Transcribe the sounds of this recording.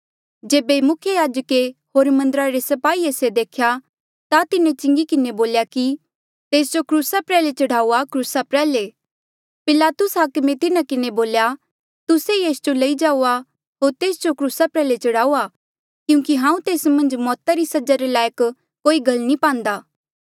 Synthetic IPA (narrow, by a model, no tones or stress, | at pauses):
d͡ʒeːbemʊkʰjəjaːd͡ʒəkehoːɾmɐ̃nd̪əɾaɾesɐpaːieːsed̪eːkʰja | t̪at̪ɪnẽt͡ʃɪ̃ŋɡikɪneboːljaki | t̪eːs̬d͡ʒokɾuːsapɾɛːlet͡ʃɐɽ̤aːuakɾuːsapɾɛːle | pɪlaːt̪ʊsɦaːkmet̪ɪnakɪneboːlja | t̪ʊsejeːsd͡ʒolɐid͡ʒaːua | ɦoːɾt̪eːsd͡ʒokɾuːsapɾɛːlet͡ʃɐɽ̤aːua | kjũːkiɦãːũt̪eːsmɐ̃nd͡ʒmɔːt̪aɾisɐd͡ʒaɾelaːjək | kːoːiɡɐlnipãːnd̪aː